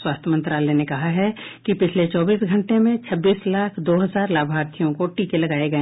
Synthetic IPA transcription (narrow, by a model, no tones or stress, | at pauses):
waːst̪ʰəmɐ̃nt̪ɾaːlɛnekɐɦaɦɛkipɪt͡ʃʰlet͡ʃɔːbiːsɡʱɐ̃ɳʈemẽt͡ʃʰɐbːiːslaːkʰd̪oːɦɐzaːɾlaːbʱaːɾt̪ʰijõkoʈiːkelɐɡaːeɡɐẽ